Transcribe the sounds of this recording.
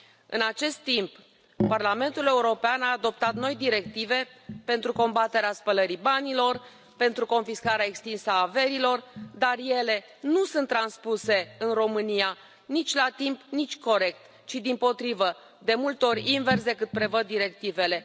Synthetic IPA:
ɨ̰nat͡ʃe̞st̪ːimp | parlame̞nt̪ule̞uɾo̞peanaːd̪o̞p̚t̪at̪no̞jd̪iɾe̞k̚t̪ive̞pe̞nt̪ɾuko̞mbat̪e̞ɾeaspələɾibanilo̞r | pe̞nt̪ɾuko̞nfiskaɾeaekst̪insəaːve̞ɾilo̞rd̪arje̞le̞ | nusɨnt̪ːɾanspuse̞ɨnro̞mɨnija | nit͡ʃʲlat̪impnit͡ʃʲko̞ɾe̞k̚t̪ | t͡ʃid̪impo̞t̪ɾivə | d̪e̞mult̪o̞ɾʲinve̞rs̬d̪e̞kɨt̪̚pɾe̞vəd̪ːiɾe̞k̚t̪ive̞le̞

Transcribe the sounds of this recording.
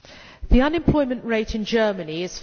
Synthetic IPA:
ðiʌ̃nɪ̃mpʰl̥ɔɪmə̃nʔɹeɪtʰɪ̃nd͡ʒɜːməniɪz̥f

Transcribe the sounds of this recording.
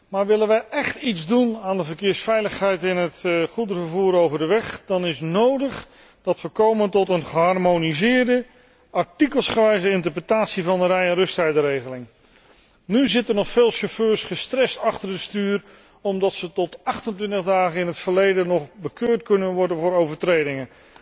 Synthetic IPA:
maːɹʋɪlənʋəjʔɛχtitzdunaːndəvəɹkɪːɹsfɛjləχɦɛjtɪnɦətχudəvəɹvuːɾowvəɹdəʋɛχd̥ɑnɪsnowdəχ | d̥ɑtʋəkowməntɔtənχəɦɑrmonizɪːɹdə | ɑɹtikəlˠsχəʋɛjzəɪntəɹprətaːtsivɑndərɛjɛnrɵstɛjdəɾejχəlɪŋ | nyzɪtəɹnɔχfeːlˠʃoføːɹsχəstrɛstɑχtəɹəstyːr | ɔmdɑtsətɔtɑχtəntʋɪntəʁdaːχənɪnɦətfəɹlejdənɔχbəkøːɹtkɵnənʋɔɹdənvʊːɾowvəɹtrejdɪŋən

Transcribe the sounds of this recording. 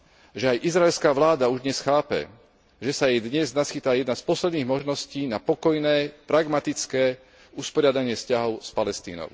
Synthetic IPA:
ʒɛajʔizɾaɛlskaːʋlaːd̪auʒd̪ɲɛsxaːpɛ̰ | ʒɛsajɛjd̪ɲɛznasxit̪ajɛd̪naspɔslɛd̪niːɣmɔʒnɔsciːnapɔkɔjnɛːpɾaɡmat̪it͡skɛː | uspɔɾɪad̪aɲɪɛscaɦɔʊspalɛst̪ḭːnɔ̰ʊ

